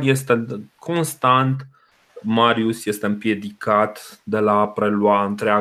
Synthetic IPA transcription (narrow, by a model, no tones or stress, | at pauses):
je̞st̪e̞kʰo̞nst̪ant̪ | maɾiusje̞st̪e̞ɨmpje̞d̪ikat̪d̪e̞laːpɾe̞lwaɨnt̪ɾea